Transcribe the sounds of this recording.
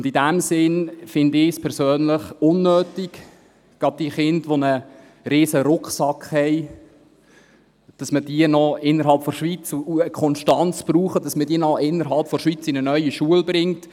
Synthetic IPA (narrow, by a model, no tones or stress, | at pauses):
ʊndidæmsɪnfɪndɪspʰɛɾsøːnləχʊnːøːtik | ɡ̥ɑb̚d̥iːχɪndʋonə | ɾiːsəɾʊkχsɑkχhɛɪ | d̥ɑsməd̥iənɔɪnːəɾɦɑlˠpfɔɾʃʋit͡suuəkʰɔnʃtɑnt͡sb̥ruːχəd̥ɑsmədiːənɔʔɪnːəɾɦɑlpfɔɾʃʋit͡sinənœʏiʃuəlbɾɪŋt